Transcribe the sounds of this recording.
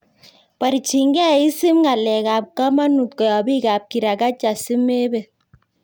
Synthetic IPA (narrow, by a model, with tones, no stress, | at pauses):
pa˨ɾi˨t͡ʃi˨ŋɡɛ˦˨i˦si˦mŋa˨lɛ˨ka˨p̚ka˦ma˦nu˨p̚kɔ˨jɔ˨bi˦ka˨p̚ki˨ɾa˨ka˦t͡ʃa˨si˦me˦be˨